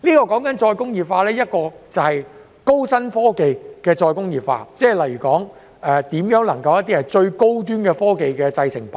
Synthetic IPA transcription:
liː˥kɔː˧kɔː˨˥ŋkɐ˨˥nt͡ʃɔː˧jkʊ˥ŋjiː˨p̚faː˧lɛː˥jɐ˥t̚kɔː˧t͡sɐ˨whɐ˨j | ko˥wsɐ˥nfɔː˥ke˨jkɛː˧t͡ʃɔː˧jkʊ˥ŋjiː˨˩p̚fa̰ː˧t͡sɛː˥˩lɐ˨˩jyː˨˩kɔː˨˥ŋ | ʔɛː˨˧t̪iː˨˥mjœː˨˥ŋlɐ˨˩ŋkɐ˧wjɐ˥t̪̬ːiː˥hɐ˨jt͡ʃɵ˧ɥko˥wt̪yː˥nkɛː˧fɔː˥ke˨jkɛː˧t͡sɐ˧jsɪ˨˩ŋpa˩

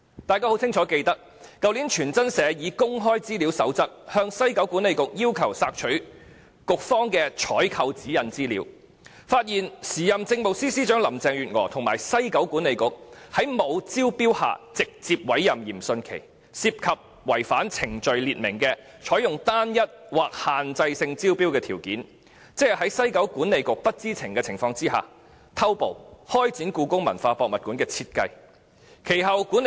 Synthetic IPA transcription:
t̪aː˨jkaː˥ho˨˥wt͡sʰɪ˥ŋt͡ʃʰɔː˨˥ke˧jt̪ɐ˥k̚ | kɐ˨˧wliː˨˥nt͡ʃʰyː˨˩nt͡sɐ˥nsɛː˨˧jiː˨˧kʊ˥ŋɦɔː˥jt͡siː˥liː˨˥wsɐ̰˨˥wt͡sɐ˥t̚hœː˧ŋsɐ˥jkɐ˨˥wkuː˨˥nle˨jkʊ˨k̚jiː˥wkʰɐ˨˩wsaː˧k̚t͡ʃʰɵ˨˥ | kʊ˨k̚fɔː˥ŋkɛː˧t͡ʃʰɔː˨˥jkʰɐ˧wt͡siː˨˥jɐ˨˩nt͡siː˥lḭː˨˧˥w | faː˧t̚jiː˨˩nsiː˨˩jɐ˨mt͡sɪ˧ŋmo˨wsiː˥siː˥t͡ʃœː˨˥ŋlɐ˨˩mt͡sɛː˨ŋjyː˨˩t̚ŋɔ̰ː˨˩t̪ʰʊ˨˩ŋmaː˨˩jsɐ˥jkɐ˨˥wkuː˨˥nle˨˧jkʊ˨k̚hɐ˨˥jmo˨˧wt͡siː˥wpiː˥wha̰ː˨t͡sɪ˨k̚t͡siː˧p̚wɐ˨˥jːɐ˨mjiː˨˩msɵ˧nkʰe˨˩j | siː˧p̚kʰɐ˨p̚ | wɐ˨˩jfaː˨˥nt͡sʰɪ˨˩ŋt͡ʃɵ˨ɥliː˨t̚mɪ˨˩ŋkɛː˧ | t͡ʃʰɔː˨˥jʊ˨ŋt̪aː˥njɐ˥t̚waː˨k̚haː˨nt͡sɐ˧jsɪ˧ŋt͡siː˥wpi˥wkɛː˧t̪ʰiː˨˩wkiː˨˥n | t͡sɪ˥˨˩ɦɐ˨˥jsɐ˥jkɐ˨˥wkuː˨˥nːe˨˧jkʊ˨k̚pɐ˥t̚t͡siː˥t͡sʰɪ˨˩ŋkɛː˧t͡sʰɪ˨˩ŋfɔː˧ŋt͡siː˥ɦa̰ː˨ | t̪ʰɐ˥wpo̰˨˧whɔː˥jt͡siː˨˥nkuː˧kʊ˥ŋmɐ˨˩nfaː˧pɔː˧k̚mɐ˨t̚kuː˨˥nkɛː˧t͡sʰiː˧t̚kɐ˧j | kʰe˨˩jɦɐ˨wkuː˨˥n

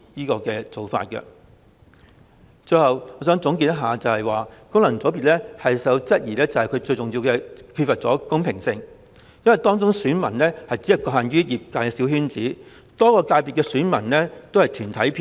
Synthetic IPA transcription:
jiː˥kɔː˧kɛː˧t͡so˨wfa̰ː˧t̚kɐ̰˧ | t͡ʃt͡sɵ˧jhɐ˨wŋɔː˨˧s̬œː˨˥ŋt͡sʊ˨˥ŋk̬i˧t̪ɐ˥ɦaː˨˧t͡sɐ˨whɐ˨˩jwaː˨kʊ˥ŋlɐ˨˩nt͡sɔ˨˥piː˨t̚lɛː˥hɐ˨jsɐ˨˥wt͡sɐ˥t̚jiː˨˩lɛː˥t͡sɐ˨˩whɐ˨jkʰɵ˨˧ɥt͡sɵ˧jt͡sʊ˨ŋjiː˧wkɛː˧kʰyː˧t̚fɐ˨t̚t͡sɔː˨˥kʊ˥ŋpʰɪ˨˩ŋsɪ˧ŋ | jɐ˥nwɐ˨jt̪ɔː˥ŋt͡sʊ˥ŋsyː˨˥nmɐ̰˨˩nlɛː˥hɐ˨jt͡siː˨˥jɐ˧t̚kɔː˧haː˨nɥyː˥jiː˨p̚kaː˧jkɛ˧siː˨˥whyː˥nt͡siː˨˥ | t̪ɔː˥kɔː˧kaː˧jpiː˨t̚kɛː˧syː˨˥nmɐ˨˩nlɛː˥t̪o˥whɐ˨jt̪ʰyː˨˩nt̪ʰɐ˨˥jpʰː

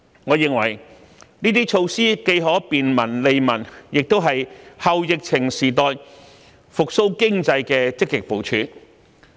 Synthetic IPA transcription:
ŋɔː˨˧jɪ˨ŋwɐ˨˩j | niː˥t̪iː˥t͡ʃʰo˧wsiː˥ke˧jɦɔː˨˥piː˨nmɐ˨˩nle˧jmɐ˨˩njɪ˨k̚t̪o˥wɦɐ˨jhɐ˨˧wjɪ˨k̚t͡sʰɪ˨˩ŋsiː˨˩t̪ɔː˧j | fʊ˨k̚so˥wkɪ˥ŋt͡sɐ˧jkɛː˧t͡sɪ˥kːɪ˨k̚po˨˧wt͡ʃʰyː˨˥

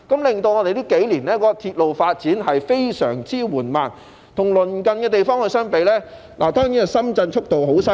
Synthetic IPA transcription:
kɐ˨˥mlɪ˨ŋt̪o˧wŋɔ˨˧d̪e˨jt̪iː˥ke˨˥jliː˨˩nɛː˥kɔː˧t̪ʰiː˧t̚lo˨wfaː˧t̚t͡siː˨˥nɦɐ˨jfe˥jsœ̰ː˨˩ŋt͡siː˥wuː˨˩nmaː˨˩n | t̪ʰʊ˨˩ŋlɵ˨˩nkɐ˨nkɛː˧t̪e˨jfɔː˥ŋhɵ˧sœː˥ŋpe˨˧jlɛː˥ | laː˨˩t̪ɔː˥ŋiː˨˥˨sɐ˥mt͡sɐ˧nt͡ʃʰʊ˥k̚t̪o˨wɦo˨˥wsɐ˥

